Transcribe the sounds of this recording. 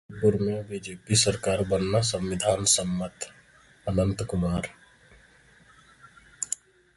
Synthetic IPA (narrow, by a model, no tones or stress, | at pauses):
pʊɾmẽbid͡ʒeːpisəɾkaːɾbənːasə̃mwɪd̪ʱaːnsəmːət̪ | ənə̃nt̪kʊmaːɾ